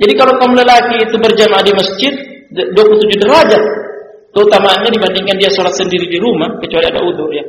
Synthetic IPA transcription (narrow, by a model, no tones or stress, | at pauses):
d͡ʒadikalawkamuləlakiːt̪ubərd͡ʒamadiməsd͡ʒɪt̪̚ | duapulut̪ud͡ʒudəɾad͡ʒa | pəut̪amaːnɲadibandiŋkandiasɔlat̪̚səndiɾidiɾumahkət͡ʃualiada̰ud̪urja